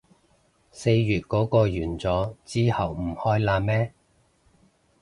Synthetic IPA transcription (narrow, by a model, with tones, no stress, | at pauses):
se˧jjyː˨t̚kɔː˨˥kɔː˧jyː˨˩nt͡sɔː˨˥t͡siː˥hɐ˨wm̩˨˩hɔː˥jlaː˧mɛː˥